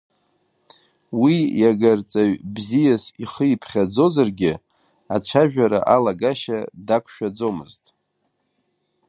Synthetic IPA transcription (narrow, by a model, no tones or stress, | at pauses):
wijaɡart͡sʼaɥbzijasiχəipʰχʲad͡zo̞zarɡʲɪ | at͡ʃʷʰaʒᶣaɾa̰ʔalaɡaʃadakʷʰʃᶣad͡zo̞mɨ̰ztʼ